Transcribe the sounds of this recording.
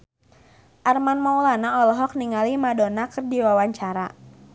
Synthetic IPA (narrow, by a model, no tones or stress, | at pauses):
ʔarmanmawlanaɔlɔɦɔk̚niŋalimadɔnakərdiwawaɲt͡ʃaɾa